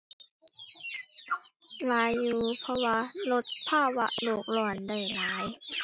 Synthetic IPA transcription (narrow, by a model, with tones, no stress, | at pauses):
laː˨˦jːuː˨˩pʰɔ˧˥waː˧lo˦˥t̪̚pʰaː˥˩wa̰˦˥ʔloː˨˩k̚lɔː˧˩nda˨˩jlaː˨˦j